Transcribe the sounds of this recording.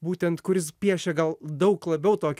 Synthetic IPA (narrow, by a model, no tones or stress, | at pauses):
buːt̪ʲɛnt̪kʊɾʲɪspʲiɛʃʲɛɡɐlˠd̪ɐʊklˠɐbʲɛʊt̪oːkʲ